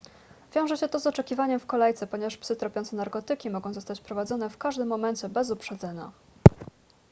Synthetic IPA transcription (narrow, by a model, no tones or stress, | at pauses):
vʲjɔ̃w̃ʐɛɕɛt̪ɔzɔt͡ʂɛkʲivaɲɛmfkɔlɛjt̪sɛpɔɲɛvaʂpsɘt̪ɾɔpʲɔnt̪sɛnaɾkɔt̪ɘkʲimɔɡɔ̃w̃zɔst̪at͡ɕpɾɔvad̪zɔn̪ɛfkaʐd̪ɘmːɔmɛnt͡ɕɛbɛzupʂɛd̪zɛɲa̰